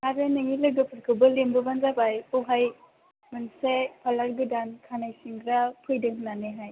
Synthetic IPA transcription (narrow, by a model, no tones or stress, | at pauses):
aɾɯnɯŋilɯɡɯpʰɯɾkʰɯbɯlembɯbanzabajuɦaj | mɯnsepʰalaɾɡɯdankʰanajsiŋɾapʰɯjdɯŋɦnaneɦaj